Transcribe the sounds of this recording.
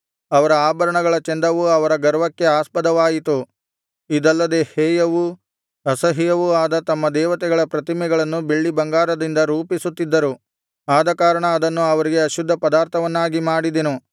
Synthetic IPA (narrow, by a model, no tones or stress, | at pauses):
ɐʋɐɾɐaːbɐɾɐɳɐɡɐɭɐt͡ʃend̪ɐʋuɐʋɐɾɐɡɐɾʋɐkːe̞aːspɐd̪ɐʋaːjit̪u | id̪ɐlːɐd̪e̞hɛːjɐʋu | ɐsɐɦijɐʋuaːd̪ɐt̪ɐmːɐd̪ɛːʋɐt̪ɛɡɐɭɐpɾɐt̪imɛɡɐɭɐnːubeɭːibɐŋɡaːɾɐd̪ind̪ɐɾuːpisut̪ːid̪ːɐɾu | aːd̪ɐkaːɾɐɳɐːd̪ɐnːuɐʋɐɾiɡe̞ɐʃud̪ʱːɐpɐd̪aːɾt̪ʰɐʋɐnːaːɡimaːɽid̪enu